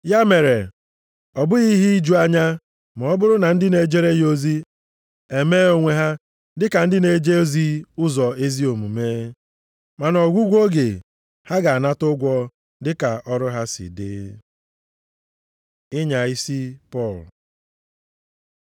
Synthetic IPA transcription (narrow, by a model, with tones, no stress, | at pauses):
ja˦me˨ɾe˨ | ɔ˨bʊ˦ɣi˦ɦi˦i˦d͡ʒu˦a˦ɲa˦ | m˨ɔ˦bʊ˦ɾʊ˦na˨n̩˦dɪ˦ne˨d͡ʒe˦ɾe˦ji˦o˦zi˦ | e˨me˦o˦ŋʷe˦ɦa˦ | dɪ˦ka˨n̩˦dɪ˦ne˨d͡ʒe˦o˦zi˦ʊ˦zɔ˨e˦zi˦o˨mu˨meː˦ | ma˨nɔ˨ɡʷu˦ɡʷo˦ɡe˨ | ha˦ɡa˨a˨na˦tʊ˦ɡʷɔ˦ | dɪ˦ka˨ʔɔ˦ɾʊ˦ɦa˦sḭ˨dɪ̰˦ | ɪ˦ɲa˨i˦si˦pɔ˦˨l